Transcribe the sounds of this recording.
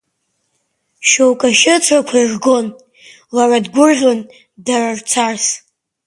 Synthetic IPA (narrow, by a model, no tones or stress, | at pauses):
ʃowkʼaʃɪt͡sʰrakʷʰairɡo̞n | laradɡʷʊrʒʲon | darart͡sʰars